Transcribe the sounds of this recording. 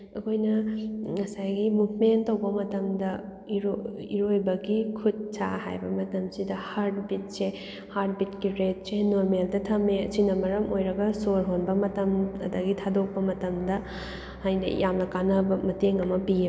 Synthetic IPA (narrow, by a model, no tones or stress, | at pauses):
ɐkʰojnɐŋɐsajɡimubmentɐwbɐmɐtɐmdɐ | iɾoiɾojbɐɡikʰud̚sa̰ha̰jbɐ̰mɐtɐmsidɐhaɾdbit̚se | haɾd̚bitkiɾet̚senoɾmeldɐtʰɐmesinɐmɐɾɐmojɾɐɡɐsoɾɦonbɐmɐtɐmɐ̰dɐɡitʰadok̚pɐmɐtɐmdɐ | hajnɐ̰jamnɐkanɐbɐmɐteŋɐmɐpiɐ